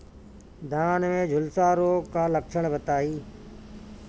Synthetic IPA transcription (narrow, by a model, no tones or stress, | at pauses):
d̪aːnmẽd͡ʑʱʊlsaːɾoːkãːləkt͡ʃʰəɽ̃bət̪aːiː